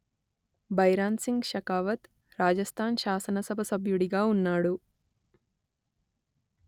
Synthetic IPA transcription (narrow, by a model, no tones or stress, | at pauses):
bʱɐjɾaːnsiŋɡʃɐkaːʋɐt̪ | ɾaːd͡ʒɐst̪ʰaːnʃaːsɐnɐsɐbʱɐsɐbʱjuɽiɡaːunːaːɽu